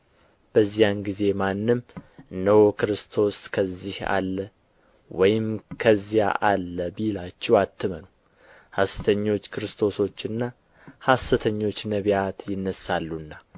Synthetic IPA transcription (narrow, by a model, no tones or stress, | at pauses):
b̥əzːijanɡize̞manːɨmnəwokɨɾɨst̪ʰo̞skʰəzːiha̰lːə | wɔjɪmkʰəzːija̰ʔalːəbilat͡ʃːɛwat̪ʰːɨmənu | hasɨ̥t̪ʰəɲːo̞t͡ʃːkʰɨɾɨst̪ʰo̞so̞t͡ʃːɨnːa | hasɨt̪ʰəɲːo̞t͡ʃːnəβjat̪jɪnːəsːalːunːa